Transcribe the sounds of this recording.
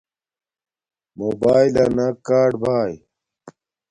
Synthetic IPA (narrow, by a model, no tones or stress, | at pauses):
moːbaːjlɐnɐkaːɖbʱaːj